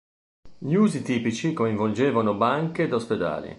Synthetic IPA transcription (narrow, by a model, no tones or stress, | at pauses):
ʎiuːzit̪iːpit͡ʃikoiɱvold͡ʒeːvanobaŋked̪osped̪a̰ːlḭ